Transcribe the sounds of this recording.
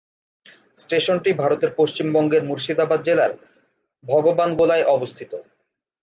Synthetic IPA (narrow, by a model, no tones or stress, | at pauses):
sʈeʃonʈibʱaɾot̪eɾpoʃt͡ɕimbɔŋɡeɾmuɾʃid̪abad̪̚d͡ʑelaɾ | bʱɔɡobanɡolaeʔɔbost̪ʰit̪o